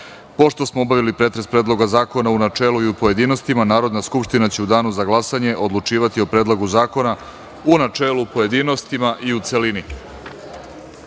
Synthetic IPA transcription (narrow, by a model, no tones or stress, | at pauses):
po̞ʃt̪o̞smoobaʋilipɾe̞t̪ɾe̞spɾeːd̪lˠo̞ɡazaːko̞naunat͡ʃe̞ːluiupo̞je̞d̪iːno̞st̪imanaːɾo̞d̪naskupʂt̪inat͡ɕe̞ud̪aːnuzaɡlˠasaɲe̞ʔo̞d̪lˠut͡ʂiːʋat̪io̞pɾeːd̪lˠoɡuzaːko̞na | unat͡ʃeːlupoje̞d̪iːno̞st̪imaʔiut̪selini